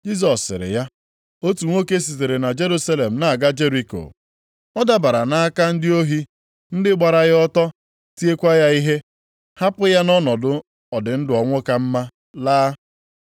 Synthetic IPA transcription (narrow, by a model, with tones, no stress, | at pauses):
d͡ʒi˦z̬ɔ˨sːɪ̰˨ɾɪ̰˨ja˦ | o˦tu˨ŋʷo˦ke˦s̬i˨ze˨ɾe˨na˨d͡ʒe˦ɾu˦sa˦le˨m̩˨na˨a˨ɡa˦d͡ʒe˦ɾi˨ko̰˨ | ɔ˦da˦ba˨ɾa˨na˦a˦ka˦n̩˦dɪ˦o˦ɦi˦ | n̩˦dɪ˦ɡ͡ba˨ɾa˨ɣɪ˦ɔ˦tɔ˦ | ti˦e˦kʷa˦ja˦i˦ɦe˦ | ha˦pʊ˦ja˦nɔ˦nɔ˨dʊ˦ | ɔ˨dɪ˨n̩˦dɪ˨ɔ˨ŋʷʊ˦ka˦m̩˦ma˦ | laː˦